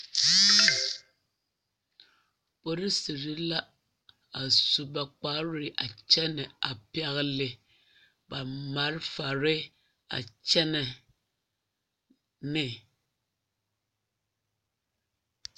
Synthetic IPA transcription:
po˦ɾi˦si˨ɾi˦la˦ | a˨su˨ba˨k͡pa˦ɾɪ˨ʔa˨t͡ʃɛ˦nɛ˨a˨pi˦a˦ɣlɪ˨ | ba˨ma˨ɾɪ˦fa˨ɾɪ˦ | a̰˨t͡ʃɛ˦nɛ˨ | nɪ˨

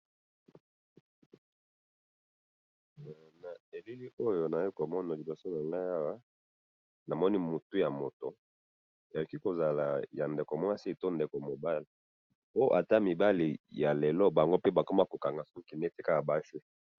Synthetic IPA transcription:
na˨e˨li˦li˦ʔo˦jo˨na˨˦i˦ko˨mɔ˦na˨li˨bo˨so˦na˨ŋa˦ja˦wa˦ | na˨mɔ˦ni˦mu˨tu˦ja˨mo˨to˨ | a˨ju˨ki˦ko˨za˨la˨ja˨nde˨ko˨mwa˦si˦˨to˦nde˨ko˨mo˨ba˦li˨ | o˦ʔa˨ta˦mi˨ba˦li˨ja˨lɛ˨lɔ˦ba˨ŋɡo˦pe˦ba˨ko˦ma˦ko˨ka˨ŋɡa˨su˦ki˨ne˦te˦ka˦ka˨ba˦fi˦

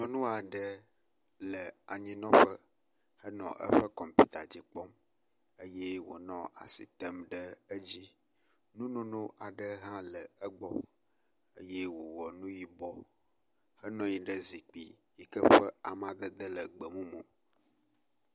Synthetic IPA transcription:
nɔ̃˨nũ˦a˨ɖə˦ | lə˨a˨ɲĩ˦nɔ̃˦ɸə˦ | hə˦nɔ̰̃˨ʔə̰˦ɸə˦kɔ˨m˨pi˦t̪a˨d͡ʑi˨k͡pɔ˦m | ə˦je˦wo̰˨nɔ̃˦a̰˨sḭ˨t̪ə˦mɖə˦ə˦d͡ʑi˦ | nũ˦nõ˦nõ˦ʔa˨ɖə˦ɦã˦lə˨ə˦ɡ͡bɔ˦ | ə˦je˦wo˨wɔ˨nũ˦ji˦bɔ˦ | hə˦nɔ̃˦ji˨˦ɖə˦zi˨k͡pḭ˨ji˨kə˦ɸə˦a˨mã˨d̪ə˦d̪ə˦lə˨ɡ͡bə˨mũ˦mõ˨

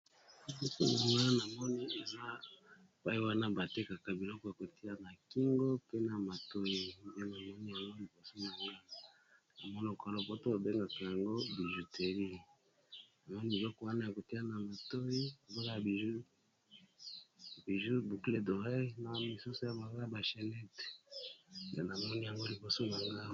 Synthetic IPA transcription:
bo˦so˦na˨ŋɡa˦na˨mɔ˦ni˦a˨na˦˨ | pa˦i˦wa˦na˦ba˨te˦ka˨ka˨bi˨lɔ˦kɔ˨ja˨ko˨ti˦a˦na˨ki˦ŋɡo˦pe˦na˨ma˨to˦ji˦˨e˦na˨mɔ˦ni˦ja˨ŋɡo˦ni˨bo˨so˦ma˨ŋɡa˦˨ | na˨mɔ˦n˦o˨ka˨lo˦bo˦to˦ba˨be˦ŋɡa˨ka˨ja˨ŋɡo˦bi˨ʒu˨te˨ʁi˦ | na˨mɔ˦ni˦bi˨lɔ˦kɔ˨wa˦na˦ja˨ko˨ti˦a˦na˨ma˨to˦i˦a˨ba˦ka˦a˨bi˨ʒu˦ | bi˨ʒu˦bu˨kle˦do˨ʁe˦na˨˦mi˨su˦so˦ja˨ba˨lo˦ja˨ba˨ʃɛ˨lɛ˦t | ja̰˦na˨mɔ˦ni˦ja˨ŋɡo˦li˨bo˨so˦na˨ŋɡa˦

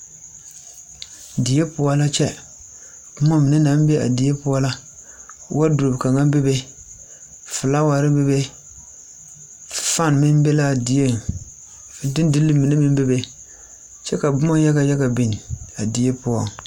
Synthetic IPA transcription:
di˨e˦pʊ˦ɔ˦la˦t͡ʃɛ˦ | bʊ˦mɔ˦mi˨ne˦na˨˦nbe˦a̰˨di˨e˦pʊ˦ɔ˦la˦ | wa˦du˨ɾo˨bka˨ŋa˦be˦be˦ | fɨ˨la˦wa˨ɾɪ˦be˦be˦˨ | fa˦˨nmɪ˦mbɛ˦la˦˨di˨je˦˨ | fdɪ˦n˦dɨ˦lːɨ˦mi˨ne˦mi˦m˦be˦be˦ | t͡ʃɛ˦ka˨bʊ˦mɔ˦ja˦ɡa˦ja˦ɡa˨bi˨n˨a˨di˨˦e˦pʊ˦ɔ˨ŋ˨

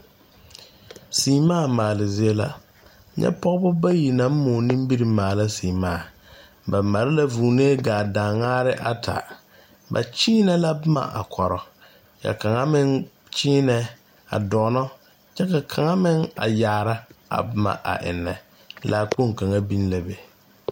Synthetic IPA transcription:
siː˨˦maː˦˨maː˨lɪ˨zɪ˦e˦la̰˦ | ɲʔɛ̰˦pɔ˦ɣbʊ˦ba˦ji˨na˨˦m̩˦mʊ˨nĩ˦m˦bi˦ɾi˨maː˨la˦siː˨maː˦˨ | ba˨ma˨ɾɪ˦la˦vuː˨neː˦ɡaː˨da˨ŋaː˦ɾɪ˦ʔa˨tʰa̰˨ | ba̰˨t͡ʃiː˦nɛ˦la˦bʊ˦ma̰˨ʔa̰˨kʰɔ˨ɾɔ˨ | ka̰˨ka˨ŋa˦mɪ˦ŋ | t͡ʃiː˦nɛ˨ | a̰˨dɔː˨˦nɔ˦ | t͡ʃɛ˦ka˨kʰa˨ŋa˦mɪ˦ŋa̰˨jaː˨ɾa˦a̰˨bʊ˦ma̰˨ʔa̰˨ʔɪ̰˨nːɛ˨ | la˦k͡po˦˨ŋ˨ka˨ŋa˦bi˦n˦la˦be˨

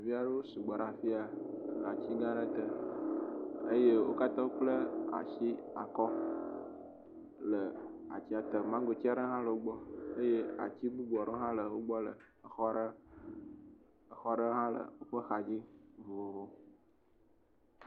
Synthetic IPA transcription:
a˨vi˦a˨ɖe˦wo˦su˨ɡ͡ba˨ɾã˨fi˦a˨lə˨a˨t͡ɕi˦ɡã˦ɖə˦t̪ə˨ | ə˦je˦wo˦ka˦t̪ɔ̃˦k͡plə˦a̰˨ʃi˦a̰˨kɔ˦ | lə˨a̰˨t͡ɕi˦a˨t̪ə˨mã˦ɡo˨t͡ɕi˦a˨ɖə˦ɦã˦lə˨wo˦ɡ͡bɔ˦ə˦je˦a̰˨t͡ɕi˦ɡ͡bu˦ɡ͡bɔ˨ɖo˦ɦã˦lə˨wo˦ɡ͡bɔ˦lə̰˨xɔ˦ɖə˦ | ə˨xɔ˦ɖə˦ɦã˦lə̰˨o˦ɸə˦xa˨d͡ʑi˦vo˨o˨vo˦

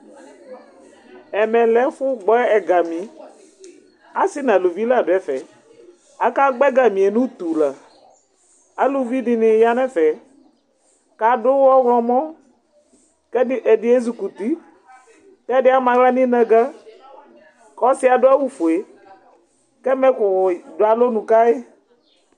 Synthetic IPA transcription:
ɛ˨mɛ˨lɛ˦fʊ˦ɡ͡bɔ˦ɛ˨ɡa˨mĩ˨˦ | a˦sɪ˦nã˨lu˨vi˦la˦˨dʊ˨˦ɛ˨fɛ˨ | a˨ka˦ɡ͡bɛ˦ɡa˨mĩ˨e˨nũ˦t̪u˨la˨ | a˨lu˨vi˦ɖɪ˨nɪ̃˨ja˦nɛ̃˦fɛ˨ | ka˨ɖʊ˦wɔ˦wlɔ̃˨mɔ̃˦ | kɛ˦ʔe˨ɖɪ˦e˦zu˨ku˨t̪i˦ | tɛ˦ɖɪ˦a˦mã˨ɡla˦nĩ˦nɛ̃˦ɡa˦ | kɔ˦si˦a˨ɖʊ˦a˦wu˦fo˨e˨ | kɛ˦mɛ̃˦kʊ˨do˦a˨lo˦nũ˨ka˦e˦

